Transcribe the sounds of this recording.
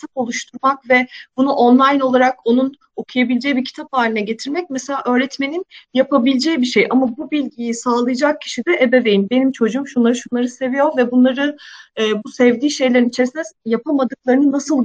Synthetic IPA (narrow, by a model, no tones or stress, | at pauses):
t̪ʰapo̞lˠuʃt̪ʰuɾmakvɛbunuʔonlˠajno̞lˠaɾako̞nun | o̞kʰujabilʲd͡ʒɛjibicʰi̥t̪ʰapaːlʲinɛɟe̞t̪ʰiɾmɛc̚mɛselʲaːʔø̞ːɾɛt̪me̞ninjapʰabilʲd͡ʒɛjibiʃejʔamabubilʲɟijisaːlˠɯjad͡ʒak̚cʰi̥ʃid̪ɛʔebɛvejimnbe̞nimt͡ʃʰo̞d͡ʒuumʃunlˠaɾɯʃunlˠaɾɯse̞vijo̞ɾvɛbunlˠaɾɯː | busɛvd̪iːʃe̞jlʲeɾinit͡ʃʰe̞ɾisinɛjapʰamad̪ɯk̚lˠaɾɯnɯnasɯlˠ